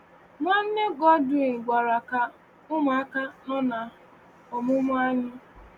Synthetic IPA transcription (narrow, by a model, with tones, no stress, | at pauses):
mʷa˦n̩˦ne˦ɡɔ˦dʊ˨n̩˨ɡʷa˨ɾa˨ka˦ | ʊ˦m˨a˦ka˦nɔ˦na˨ | ɔ˨mʊ˦mʊ˦a˦ɲɪ˦